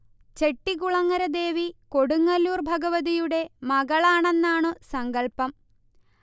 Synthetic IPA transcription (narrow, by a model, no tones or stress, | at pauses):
t͡ɕe̞ʈːikuɭɐŋːɐɾɐd̪e̞ːʋiko̞ɽuŋːɐluːrbʱɐɡɐʋɐðijuɽe̞mɐɡɐɭaːɳe̞nːaːɳɨsɐŋɡɐɭpɐm